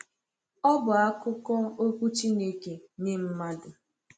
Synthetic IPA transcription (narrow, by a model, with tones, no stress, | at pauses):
ɔ˦bʊ˨a˦kʊ˦kɔ˦o˦kʷu˦t͡ʃi˦ne˦ke˨ɲe˦m̩˦ma˦dʊ˨